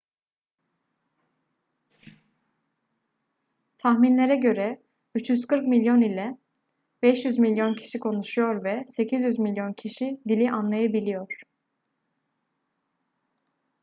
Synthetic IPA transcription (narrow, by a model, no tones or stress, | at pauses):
t̪ʰaxminlʲe̞ɾɛɟø̞ɾɛ | yt͡ʃjyzkʰɯɾkmilʲjo̞nilʲɛ | bɛʃjyzmilʲjo̞ncʰi̥ʃikʰo̞nuʃujo̞ɾvɛse̞cʰizjyzmilʲjo̞ncʰiʃid̪ilʲiʔanlˠajabilʲijo̞ɾ̥